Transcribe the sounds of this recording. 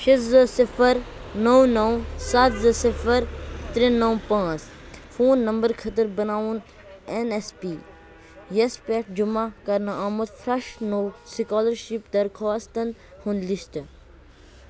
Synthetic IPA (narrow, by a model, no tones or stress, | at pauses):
ʃit̪zɐsifʰəɾnɐwnɐwsɐt̪zɐsifʰəɾt̪ɾĩnɐwpãːt͡s | fʰoːnːɐmbəɾkʰɐt̪əɾbɐnaːun | enespi | jɐspeʈ̚d͡ʒʊmakɐɾnɐaːmut̪fɾɐʃnowsikɔːlɐɾʃipd̪ɐɾkʰaːst̪ɐn | hũnlist̪